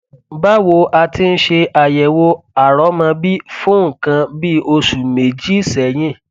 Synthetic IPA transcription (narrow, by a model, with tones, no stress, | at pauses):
ba˦wo˧ʔa˧ti˧n̩˦ʃe˧a˨jɛ˨wo˧a˨ɾɔ˨˦mã˧bi˦fũ˦ŋ̩˨kã˧bi˦o˧su˨me˨d͡ʒi˦sɛ˨j̃ĩ˦˨